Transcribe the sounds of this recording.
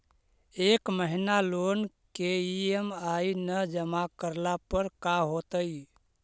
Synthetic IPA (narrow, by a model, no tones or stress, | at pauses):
ekməɦinalon | keiemainəd͡ʒəmakəɾlapəɾkaɦot̪əj